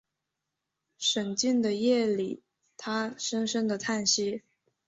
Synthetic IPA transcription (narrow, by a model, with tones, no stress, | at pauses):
ʂə˨˩nt͡ɕi˥˩nd̪ə˩jɛ˥˩lḭ˨˩˦ | t̪ʰa˥ʂə˥ŋʂə˥ŋd̪ə˨t̪ʰa˥˩nɕi˥